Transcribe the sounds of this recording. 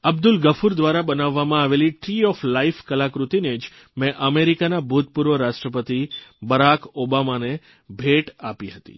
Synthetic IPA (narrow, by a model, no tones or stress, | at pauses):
əbd̪ʊlɡəfʰuɾd̪ʋaɾabənaʋːamãaʋeliʈɾiɔflaifkəlakɾut̪ined͡ʒ | mɛ̃ʔəmeɾikanabʱut̪̚puɾʋəɾaʃʈɾəpət̪ibəɾakobamane | bʱeʈapiɦət̪ḭ